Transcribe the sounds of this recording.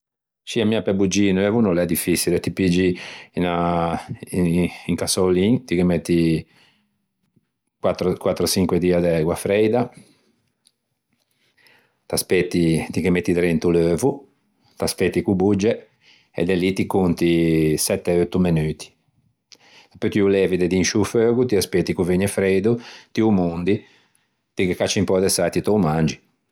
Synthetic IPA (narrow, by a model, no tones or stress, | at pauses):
t͡ʃiamiapɛbud͡ʒiːnulɛvunɔlɛd̪ifːisilɛt̪ipid͡ʒiina | ŋkasoliːŋt̪ikemet̪ːi | kwat̪ːɾkwat̪ːɾɔsiŋkwɛd̪iːad̪ɛɣwafɾɛjd̪a | t̪aspet̪ːit̪ikɛmet̪ːit̪ɾent̪uløːvu | t̪aspɛt̪ːikubud͡ʒːɛ | ɛ̰d̪ɛlit̪ikont̪isɛt̪ːɛot̪ːumɛnyːt̪i̥ | sɛpːøt̪iulɛːvid̪ɛd̪inʃuføːɡut̪iaspɛt̪ːikuveɲɛfɾejd̪ut̪iumond̪i | t̪ikɛkːat͡ʃːimpɔd̪ɛsajt̪it̪ɔumand͡ʒi